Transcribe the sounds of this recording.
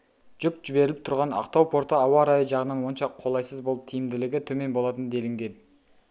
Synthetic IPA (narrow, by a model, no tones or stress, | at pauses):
ʒ̥ʊkʒ̥ɪbe̞ɾɪlɪp̚t̪ʰʊɾʁɑnɑ̰qt̪ɑwpʰo̞ɾt̪əɑwɑɾɑjəʒɑʁənɑnwo̞nʃɑqʰːo̞lˠɑjsəzbo̞lˠəp̚t̪ʰijɪmd̪ɪlɪɡʲɪt̪ʰɵme̞nbo̞lˠɑt̪ənd̪e̞lɪmɡʲeld̪ɪ